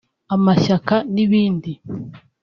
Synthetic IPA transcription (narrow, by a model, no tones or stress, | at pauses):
amaʃakaniβiːndi